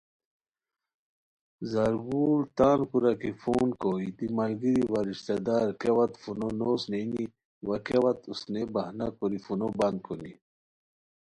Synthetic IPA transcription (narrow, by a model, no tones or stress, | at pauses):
zaɾɡult̪aːnkuɾakifuːnkoid̪imalɡiɾiwaɾiʃt̪ad̪aɾkewat̪funonosneni | wakewat̪usnebahnakoɾifunoband̪̚kʰoni